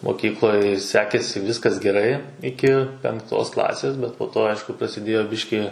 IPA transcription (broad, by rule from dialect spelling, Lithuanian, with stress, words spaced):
moːˈkʲiːklˠoːj ˈsʲæːkʲeːsʲɪ ˈʋʲiːskɐs ɡʲɛˈrɐɪ ˈɪkʲɪ pʲɛŋˈktoːs klˠɐsʲeːs ˈbʲɛt poː ˈtoː ˈɐɪʃkʊ prɐsʲɪˈdʲeːjoː ˈbʲɪʃʲkʲiː